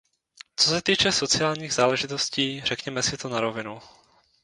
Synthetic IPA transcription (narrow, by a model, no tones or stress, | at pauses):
t͡sosɛt̪iːt͡ʃɛso̞t͡sɪaːlɲiːɣzaːlɛʒɪt̪o̞sciːrɛkɲɛmɛsɪt̪onaɾo̞vɪnu